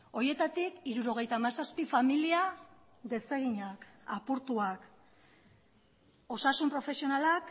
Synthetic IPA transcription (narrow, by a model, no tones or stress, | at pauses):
o̞ɾje̞t̪at̪ikiɾuɾo̞ɣ̞e̞jt̪amasaspifamilia | ðe̞se̞ɣ̞iɲakapuɾt̪uak | o̞sasumpɾo̞fe̞sio̞nalak